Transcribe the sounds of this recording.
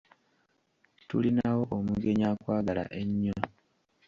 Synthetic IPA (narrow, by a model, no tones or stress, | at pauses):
tṵlinawo̞ʔomuɡe̞ɲakwaːɡala̰ʔeɲːo